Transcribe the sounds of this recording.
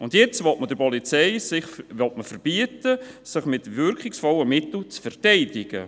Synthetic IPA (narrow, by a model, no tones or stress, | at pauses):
ʊndjɛt͡sʋɔtməd̥əɾpɔlit͡sɛɪsɪχʋɔtməfəɾb̥iətəsɪχmɪtvʏɾkχɪksfɔləmɪt̪l̩t͡sfɛrtɛɪdɪɡ̥ə̰